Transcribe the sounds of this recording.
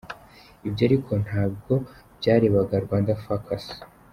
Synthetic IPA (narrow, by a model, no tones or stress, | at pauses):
ibɟaːɾikʰo̞n̥haːb̚ɡo̞bɟaːɾe̞ːβaɡaɾɡwaːndafakasi̥